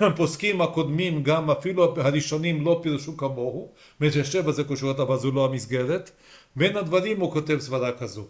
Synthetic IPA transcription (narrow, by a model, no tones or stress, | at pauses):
poskimhako̞d̪mimɡamafiluhaʁiʃo̞nimlo̞piʁuʃukamo̞hu | met̪jaʃevazekoʃot̪avalzuloamisɡe̞ɾet̪ | benhad̪vaʁimhukot̪e̞vsvadakazo